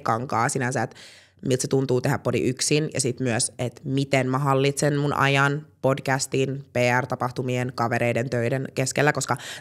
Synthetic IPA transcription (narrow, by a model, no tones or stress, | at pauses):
kɑŋkɑːsinænsæet̪ | milt̪set̪unt̪uːt̪eɦæppo̞dḭʔyksinjɑ̰sit̪myøset̪mit̪enmæɦɑlːit̪senmunʔɑ̰jɑnpodkæst̪inpeːært̪ɑpɑxt̪umienkɑʋeɾeident̪øidenkeskelːækoskɑ